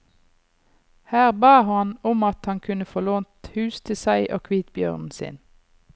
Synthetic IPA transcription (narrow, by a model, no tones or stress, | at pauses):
hæːʁbɑːhɑnʊmɑt̪hɑŋkʰʉnəfɔloːnt̪hʉːst̪ʰɪsæɪʔo̰ːkʰʋiːt̪bjœ̰ʁnn̩sɪ̰n